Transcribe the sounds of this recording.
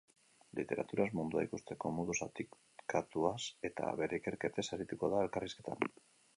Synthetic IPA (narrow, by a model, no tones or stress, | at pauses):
lḭt̪e̞ɾa̰t̪uɾazmund̪ua̰ikust̪e̞ko̞moðusat̪ik | kat̪uase̞t̪a̰βe̞ɾeike̞ɾke̞t̪e̞saɾit̪uko̞ðae̞lkariske̞t̪ʰa̰n